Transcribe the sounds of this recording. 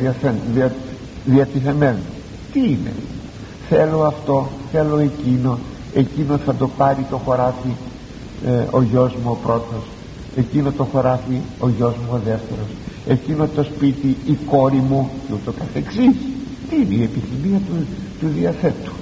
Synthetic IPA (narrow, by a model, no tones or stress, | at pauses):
iɐθenði | ðiɐt̪iθe̞meno | t̪iine̞̰ | θelo̞ɐft̪o̞θe̞lo̞e̞cino̞ | e̞cino̞θɐd̪o̞pɐɾit̪o̞xo̞ɾɐθi | oʝo̞zmuopɾo̞t̪o̞s | e̞cinot̪o̞xo̞ɾɐθio̞ʝo̞zmuoðe̞ft̪eɾo̞se̞cino̞t̪o̞spit̪iːko̞ɾimuceut̪o̞kɐθe̞ksis | t̪iineie̞piθimiɐt̪ut̪uðiɐθet̪u̥